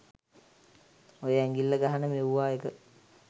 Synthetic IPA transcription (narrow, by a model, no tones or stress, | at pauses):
ojəɛŋɡilːəɡaɦanəmeuʋaːekə